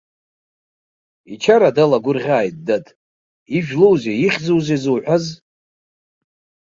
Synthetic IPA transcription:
it͡ʃʰaɾadalaɡʷʊrʁʲaːjtʼdatʼ | iʒᶣlowzeiχʲzowzezuwħʷᶣaz

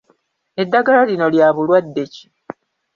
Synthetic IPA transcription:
e̞dːaɡalalino̞ljaːβulwadːe̞ci̥

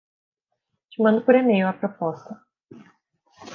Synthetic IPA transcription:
t͡ʃimɐ̃nd̪ʊpoɾemejʊɐpɾopɔst̪ɐ

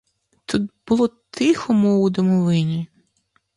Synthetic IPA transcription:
t̪ut̪̚bʊlˠɔt̪ʰɪxɔmɔud̪ɔmɔʋɪnʲi

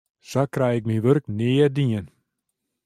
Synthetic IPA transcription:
sakrɛjɪk̚miʋørknɪːədiən

